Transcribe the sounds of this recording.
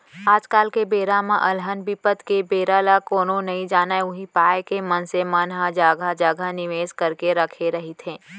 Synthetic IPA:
aːd͡ʒkaːlkebeːɾamãʔɐlɦənbipət̪kebeːɾalakoːnonɐɦĩd͡ʒaːnaeʊɦipaːjekemɐnsemənɦad͡ʒaːɡʱad͡ʒaːɡʱanɪʋeːskɐɾkeɾɐkʰeɾɐɦit̪ʰẽː

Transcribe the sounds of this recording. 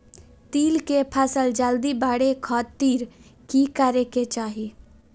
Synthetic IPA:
t̪iːlkepʰəsəld͡ʒəld̪ibaːɽekʰɔːt̪ːiːɾkikəɾeket͡ʃaːɦi

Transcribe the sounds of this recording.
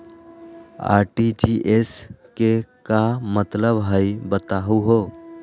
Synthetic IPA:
a̰ːɾʈid͡ʒiʔeskekamət̪ləbɦəɪbət̪aɦuɦo

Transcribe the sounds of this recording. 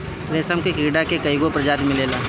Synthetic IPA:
ɾeːsəmkekiːɖakekɐiɡopɾɐd͡ʒaːt̪mɪleːlaː

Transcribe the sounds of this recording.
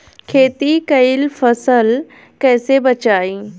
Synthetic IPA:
kʰeːt̪ikɐilfɐsəl | kɛːsebɐt͡ʃaːiː

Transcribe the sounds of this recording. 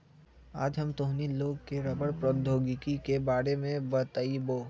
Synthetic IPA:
aːd͡ʒɦɐmt̪oːɦniloːɡ̚keɾɐbəɽpɾəd̪ʱoːɡikikebaːɾemẽbət̪aiboː

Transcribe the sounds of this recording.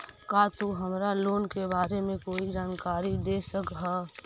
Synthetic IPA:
kat̪uɦəmɾaloːnkebaːɾemẽkoːid͡ʒaːnkaːɾid̪eːsəkɦɛ

